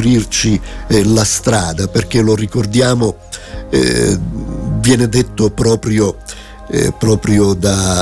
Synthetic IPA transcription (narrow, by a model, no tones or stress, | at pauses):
ɾirt͡ʃilast̪ɾaːd̪aperk̟elorikord̪jaːmo | ɛ̰ | vjɛːned̪et̪ːopɾɔːpɾjo | pɾɔːpɾjod̪a